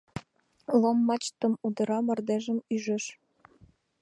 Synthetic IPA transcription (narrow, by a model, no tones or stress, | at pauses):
lomːɑt͡ɕt̪əmud̪ə̆ɾɑmə̆rd̪eʒə̆myʒĕʃ